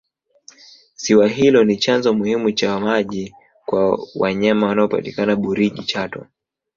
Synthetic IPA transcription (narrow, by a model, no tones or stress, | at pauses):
siwaɦilɔnit͡ʃanzɔmuhimut͡ʃamaʄi | kwawaɲamawanaɔpa̰ti̥kanaɓuɾiʄit͡ʃatɔ̰